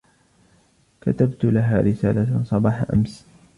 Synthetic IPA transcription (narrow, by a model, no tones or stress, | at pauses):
ka̰t̪abt̪laɦaːɾɪsa̰ːlasˤɑbɑːħaʔa̰ms